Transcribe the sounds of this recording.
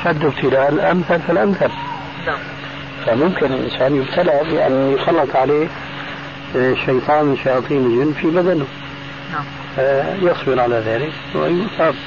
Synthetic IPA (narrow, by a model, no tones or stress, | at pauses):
ʃad̪ːʊbt̪ʰɪlaːlʔamθalfɪlʔamθal | famʊmkɪnɪlʔɪ̰nsaːnjɪbt̪ʰalɪbɪʔa̰nːjxɑlːɨt̪ˤʕaleː | ʃːɑjt̪ˤɑːnɪʃajɑːt̪ˤiːnɪld͡ʒɪnːfibad̪anʊ | fajɑswɪɾʕalaðaːlɪk | wɪ̰jʊsˤɑːb